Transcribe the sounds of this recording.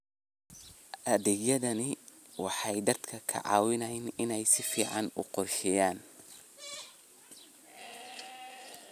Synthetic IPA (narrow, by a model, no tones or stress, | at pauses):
ʔɐðɛɡjɐðɐnɪ | wɑħɑjd̪ɐd̪kʰɐkʰɐ̰ʕɑ̰ːwɪnɐjnɪnɛjsɪfiːʕɑnʊ̰qɔrʃɛjaːn